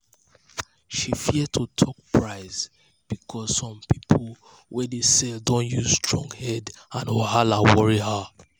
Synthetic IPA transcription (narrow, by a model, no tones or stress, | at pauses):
ʃifid̚tʰutʰɔk̚pʰɹaɪz | b̥ikʰɔzsɔ̃mpipʰl | wɛdesɛldõnjuzstɹɔ̃ŋɡhɛdãnoɦalawɔɹiɦa